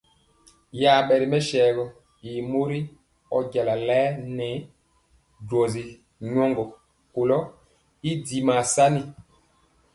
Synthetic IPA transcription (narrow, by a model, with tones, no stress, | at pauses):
ja˨ɓɛ˨ɾi˨mɛ˦ʃɛː˨ɡɔ˨ | i˨mo˦ɾi˦ | ɔ̰˦ɟa˨la˨lɛː˦nɛ˨˦ | dwɔ˨zi˨ | ɲɔ˦ŋɡɔ˨ | ko˨lɔ˦ | i˦di˨ma˨sa˦ni˦